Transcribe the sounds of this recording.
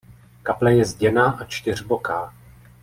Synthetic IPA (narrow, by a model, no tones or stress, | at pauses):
kaplɛjɛzɟɛnaːʔat͡ʃt̪ɪr̝bokaː